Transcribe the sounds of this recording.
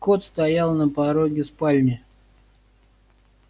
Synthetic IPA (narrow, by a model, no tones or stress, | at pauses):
kot̪st̪ɐjalˠnəpɐɾoɡʲɪspalʲnʲɪ